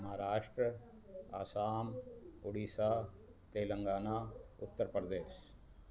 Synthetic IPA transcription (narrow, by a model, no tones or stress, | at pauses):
ɐmaɾaːʂʈɾɐ | a̰ːsaːmuɽiːsaː | t̪eːlɐŋɡaːnaːʊt̪ːɐɾpɾɐd̪eːʃ